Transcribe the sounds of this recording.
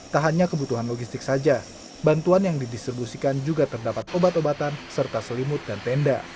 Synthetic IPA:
t̪aɦanɲakəbut̪uɦanloɡist̪ɪksad͡ʒa | bant̪uanjaŋdidist̪ɾibusikand͡ʒuɡat̪ərdapat̪̚ʔobat̪obat̪ansərt̪asəlimʊt̪̚dant̪ɛnda

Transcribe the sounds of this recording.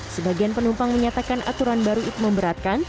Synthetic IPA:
səbaɡianpənumpaŋməɲat̪akanʔa̰t̪uɾanbaɾuit̪uməmbəɾat̪̚kan

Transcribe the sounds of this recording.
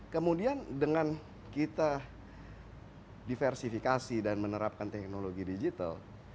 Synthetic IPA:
kəmudiandəŋan | kit̪a | difɛrsifikasidanmənəɾap̚kant̪ɛk̚noloɡidid͡ʒit̪a̰l

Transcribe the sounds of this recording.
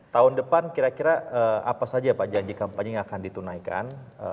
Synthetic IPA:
t̪aɦʊndəpankiɾakiɾaəa̰pasad͡ʒapad͡ʒaɲd͡ʒikampaɲiŋakandit̪unajka̰nə

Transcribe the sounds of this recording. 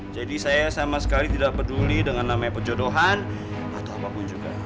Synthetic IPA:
d͡ʒadisajasamasə̥kalit̪idaʔ̚pədulidəŋanːamajpəd͡ʒodoɦan | at̪awapapʊnd͡ʒuɡa̰

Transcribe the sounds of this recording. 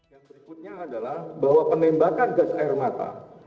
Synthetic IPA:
jaŋsəɾikut̪̚ɲaːdalahbaɦwapənɛmbakanɡasaɪrmat̪a̰

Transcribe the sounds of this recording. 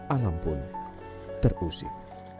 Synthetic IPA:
alampʊn | t̪ərusɪ̰h̚

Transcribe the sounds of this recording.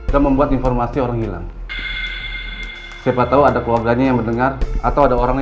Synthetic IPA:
daməmbuat̪infɔrmasioɾaŋhila̰ŋ | seabat̪auadakluarɡaɲajaŋbəndəŋara̰t̪awadaoɾaŋ

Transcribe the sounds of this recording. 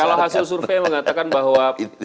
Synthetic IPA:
alaɦasɪls̬urfeməŋat̪akanbaɦwa

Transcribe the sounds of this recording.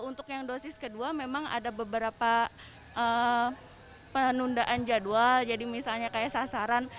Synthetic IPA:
unt̪ʊkjaŋdosɪskəduamemaŋa̰dabəbəɾapa | ʔə | pənundaʔand͡ʒaduald͡ʒadimisalɲakajasasaɾan

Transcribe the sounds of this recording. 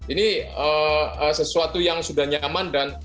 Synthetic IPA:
iniəəsəsuat̪ujaŋsudahɲamandan

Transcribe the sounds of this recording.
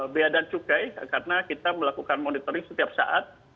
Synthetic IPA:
biadant͡ʃukajkarnakit̪aməlakukanmonit̪oɾɪŋsə̥t̪iap̚sa̰ʔat̪̚

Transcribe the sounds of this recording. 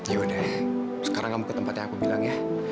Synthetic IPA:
jodɛ | sə̥kaɾaŋamukət̪əmpat̪ɲaŋakubilaŋja

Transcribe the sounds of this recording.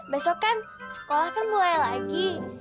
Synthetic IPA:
basokan | sə̥kolahkənmulajlaɡi

